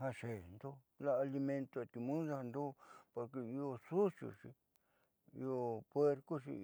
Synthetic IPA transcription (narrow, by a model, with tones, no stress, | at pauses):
ha˧ʃe˨nd̪o˦ | la˦a˧li˧mẽ˧nt̪o˧a˨t̪i˧mũ˦sa˦˧a˧nd̪o˦po˧ɾke˧i˧o˧su˦sjo̰˧˨ʂḭ˧ | ḭ˧o˧pwe˦ɾko˦ʃḭ˧